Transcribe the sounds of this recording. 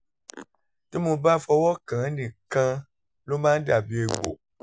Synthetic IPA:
ti˦mõ˧ba˦fɔ˧wɔ˦kã˨˦nĩ˨kã˧ | lo˦mãː˦n̩˦da˦˨bi˨˦e˧ɡ͡bo̰˨

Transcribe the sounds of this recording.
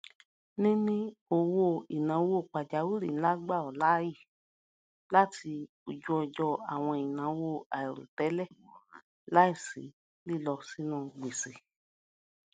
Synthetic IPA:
nĩ˦nĩ˧˦o˨wo˦˧˨ḭ˨nã˨˦wo˦˨k͡pa˨d͡ʒa˨˦wu˦ɾi˨˦la˦ɡ͡ba˦˨ɔ˨la˦ji˦˨ | la˦ti˧ | o˨d͡ʒu˧ɔ˧d͡ʒɔ˧a˨w̃ɔ̃˧i˨nã˨˦˧wo˦˨a˨ɛ˨ɾo̰˨tɛ˨˦lɛ˦˨ | la˦i˦˨sḭ˨˦ | li˦˨lɔ˧si˦nũ˧˨ɡ͡be˨se˨

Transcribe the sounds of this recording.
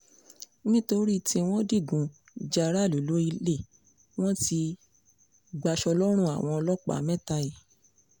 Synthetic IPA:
nĩ˦to˧ɾi˦˨tʰĩ˧w̃ɔ̃˦di˦˨ɡũ˨ | d͡ʒa˧ɾa˦˨lo˨lo˨˦i˧le˦˨ | w̃ɔ̃˦ti˧ | ɡ͡ba˧ʃɔ˧lɔ˦ɾ̃ũ˦˨a̰˨w̃ɔ̃˧ɔ˧lɔ˦k͡pa̰˦˨mɛ̃˦˨ta˧i˨

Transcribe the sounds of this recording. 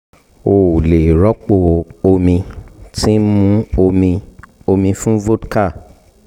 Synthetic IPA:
o˨le˨ɾɔ˦k͡po˧˨o˧mĩ˧tĩ˦mũ˦o˧mĩ˧o˧mĩ˧fũ˦vo˦dka˦˨

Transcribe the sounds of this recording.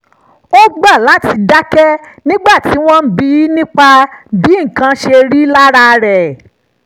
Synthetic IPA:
o˦ɡ͡ba˦˨la˨˦ti˧da˦kɛ˦nĩ˦ɡ͡ba˦˨ti˨˦w̃ɔ̃˦n̩˦bi˦nĩ˦k͡pa˧bi˨˦˨kã˧ʃe˧ɾi˦la˦ɾa˦˧ɾɛ˨

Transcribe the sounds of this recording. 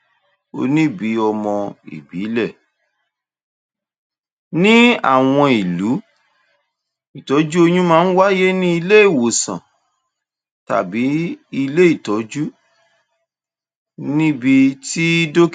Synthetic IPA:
o̰˧nĩ˦bi˨˦ɔ˧mɔ̃˧ḭ˨bi˨˦lɛ˦˨ | nĩ˦a̰˦˨w̃ɔ̃˧i˨lu˨˦ | i˨tɔ˨˦d͡ʒu˦o˧jũ˦mãː˦n̩˦wa˦je˦nĩ˦i˧le˦i˦˨wo˨sã̰˨ | ta̰˨bi˨˦i˧le˦i˦˨tɔ˨˦d͡ʒu˦ | nĩ˦bi˧ti˦do˦k

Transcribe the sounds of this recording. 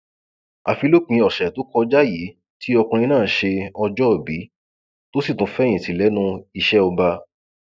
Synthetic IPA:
a̰˨fi˧lo˦˨k͡pĩ˧ɔ˨ʃɛ˨to˨˦kɔ˧d͡ʒa˦ji˨˦ | tʰi˦ɔ˧kũ˧ɾ̃ĩ˧nãː˦˨˦ʃe˧ɔ˧d͡ʒɔ˦ɔ˨bi˨˦ | to˦si˦˨tũ˨˦fɛ˦j̃ĩ˨ti˨˦lɛ˨˦nũ˦i˧ʃɛ˦o˧ba˧

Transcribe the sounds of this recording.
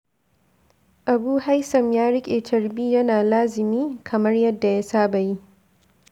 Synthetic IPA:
ʔa˨buː˦ha˦jsɐ˨mjaː˦ɽɪ˦kʲʼeː˨t͡ʃɐ˨ɾbiː˦jɐ˦naː˨laː˦zɪ˨miː˦kʰɐ˨mɐ˦rjɐ˦dːa˨ja˦saː˦bɐ˨ji˦

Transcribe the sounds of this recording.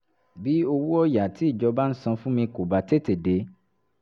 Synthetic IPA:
bi˦o˧wu˦ɔ˦ja˨ti˨˦i˦˨d͡ʒɔ˧ba˦n̩˦sã˧fũ˦mĩ˧ko˨ba˨te˦te˨de˨˦

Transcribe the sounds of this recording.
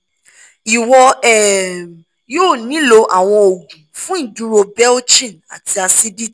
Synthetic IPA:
i˨wɔ˧ɛ˦˨ | joː˦˨nĩ˨˦lo˧ʔa˨w̃ɔ̃˧o˨ɡũ˨˦fũ˦ĩ˦˨du˦ɾo˧bɛ˦lt͡ʃĩ˦˨na̰˨ti˧a˧si˦di˦

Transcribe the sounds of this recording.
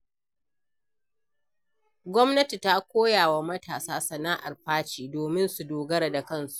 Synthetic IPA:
ɡʷɔ˦mnɐ˦ti˨ta˦kʷoː˦jaː˨wa˦mɐ˦tʰaː˨saː˦sɐ˨naː˦ʔa̰˨rɸaː˦t͡ʃiː˨doː˨mɪ˦nsu˨doː˨ɡɐ˦ɾa˨da˨kɐ˦nsu̥˨ʔ

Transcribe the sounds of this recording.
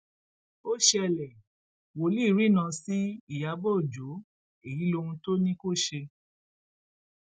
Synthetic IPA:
o˦ʃe˦˧ɛ˧lɛ˨ | wo˨li˦˨ɾi˦nã˧si˦i˦˨ja˨˦bɔ˦˨d͡ʒo˨˦ | e˨ji˨˦lo˧hũ˧to˦nĩ˦ko˦˨ʃe˧

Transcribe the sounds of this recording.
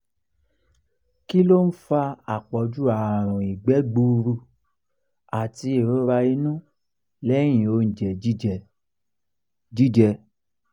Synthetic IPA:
ki˦lo˦n̩˦fa˧a˨k͡pɔ˨˦d͡ʒu˦a˨ɾ̃ũ˨i˨ɡ͡bɛ˨˦ɡ͡bu˧ɾu˧˨ | a˨ti˨˦e˨ɾo˨˦ɾa˧i˧˦nũ˦ | lɛ˦j̃ĩ˨o˧˦n̩˨d͡ʒɛ˨i˦˨ | d͡ʒi˦d͡ʒɛ˧

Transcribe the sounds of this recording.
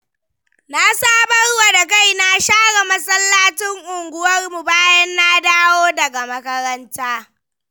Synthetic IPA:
na˦saː˦bɐ˦ɽwa˨da˨ka˦˨jna˦ʃaː˦ɽa˨mɐ˦sʼɐ˦lːaː˦tɪ˦ŋʔʊ˨ŋɡʷʊ˦wɐ˦rmu˨baː˦jɐ˦nːa˦daː˦woː˦dɐ˨ɡa˨mɐ˦kɐ˦ɾɐ˦ntaː˦

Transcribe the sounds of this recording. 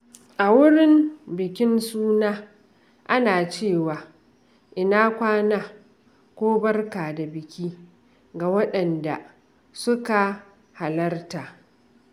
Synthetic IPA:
ʔa˨wʊ˦ɽɪ˦mbɪ˨kʲɪ˦nsuː˦naː˦ | ʔa˦naː˨t͡ʃeː˦˨waː˨ | ʔɪ˨naː˦kʷaː˦naː˦ | kʷoː˦bɐ˦rkaː˨da˨bɪ˨kʲiː˦ | ɡa˨wɐ˦ɗɐ˨nda̰˨ | sʊ˦ka˨ | ha˨lɐ˦rtaː˨

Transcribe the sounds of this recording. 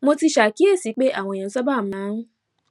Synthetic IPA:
mo˧ti˧ʃa˨ki˨˦e˦˨si˨˦k͡pe˦ʔa˦˨w̃ɔ̃˧˨ã˨˦sɔ˦ba˦˨mã˨˦

